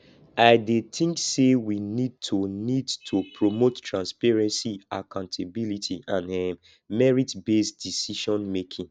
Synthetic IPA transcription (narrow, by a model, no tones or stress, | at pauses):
aɪdet̪ʰĩŋksewinid̚tʰunidtʰopʰɹomottɹãnspɛɹɛ̃nsiakãʊ̃ntʰebilitʰiʔãnɛ | mɛɹitbesd̥isiʃɔ̃nmekʰĩŋ